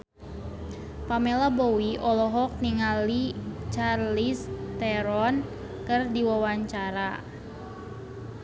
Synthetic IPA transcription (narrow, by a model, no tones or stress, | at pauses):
pamelabowiʔɔlɔɦɔk̚niŋalit͡ʃarlist̪ɛɾɔn | kɨrdiwawaɲt͡ʃaɾa